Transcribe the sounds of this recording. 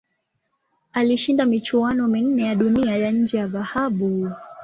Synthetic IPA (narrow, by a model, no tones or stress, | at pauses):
aliʃindamit͡ʃuanɔmin̩nɛjaɗuniajaɲ̩d͡ʒɛjaðahaɓu